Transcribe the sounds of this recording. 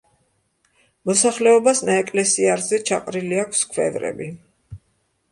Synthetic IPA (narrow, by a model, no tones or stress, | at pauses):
mɔsaχlɛɔbasnaɛkʼlɛsiaɾzɛt͡ʃʰa̰qʼɾiliakʷʰskʰwɛ̰vɾɛ̰bi